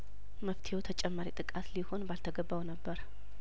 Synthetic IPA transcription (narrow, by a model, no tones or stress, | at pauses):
məft̪ʰeot̪ʰət͡ʃʼɛmːaɾit̪ʼɨkʼat̪liho̞nbalt̪ʰəɡəbːawnəbːəɾ